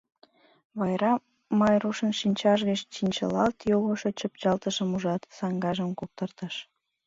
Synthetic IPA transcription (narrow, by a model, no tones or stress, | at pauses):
βɑjɾɑ | mɑjruʃənʃinʲt͡ɕɑʒ̬ɣət͡ɕt͡ɕinʲt͡ɕə̰lɑlt̪joɣoʃot͡ɕəp̚t͡ɕɑlt̪əʃəmuʒɑt̪sɑŋɡɑʒəmkok̚t̪ərt̪əʃ